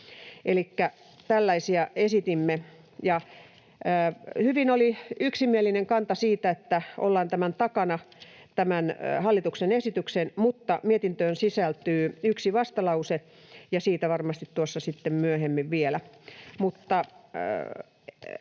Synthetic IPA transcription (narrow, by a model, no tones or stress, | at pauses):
elikːæ | t̪ælːæisiæesit̪imːe | jɑː | hyʋinoliyksimielːˑineŋkɑnt̪ɑsiːt̪æet̪ːæʔo̰lːɑːnt̪æmænt̪ɑkɑnɑ | t̪æmænhɑlːit̪uksenesit̪yksenmut̪ːɑmiet̪int̪øːnsisælt̪yːyksiʋɑst̪ɑlɑuse | jɑsiːt̪æʋɑrmɑst̪it̪t̪uosːɑsit̪ːemmyøhemːiʋʋielæmut̪ːɑ